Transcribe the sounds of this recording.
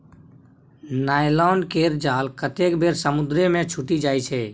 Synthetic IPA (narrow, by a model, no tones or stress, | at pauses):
naːjlɔːnkeɾd͡ʒaːlkət̪eːkbeːɾsəmʊd̪ɾemẽt͡ʃʰʊʈid͡ʒaːit͡ʃʰɛː